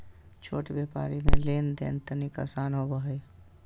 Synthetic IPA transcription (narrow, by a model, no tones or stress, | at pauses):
t͡ʃʰo̰ːʈbjeːpa̰ːɾimḛ̃leːnd̪ḛːnt̪ənika̰saːnɦobəɦe